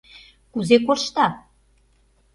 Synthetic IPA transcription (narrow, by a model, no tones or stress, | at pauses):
kuzekorʃt̪ɑ